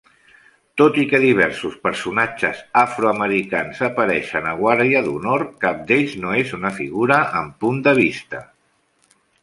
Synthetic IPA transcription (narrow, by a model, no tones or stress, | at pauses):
t̪ot̪ikəðiβ̞ɛɾsuspəɾsunad͡ʒəzafɾoəməɾikanzəpəɾɛʃənəɣ̞waɾðiəðṵnoɾkap̚d̪eʎznoezunəfiɣuɾəəmpund̪əβ̞ist̪ə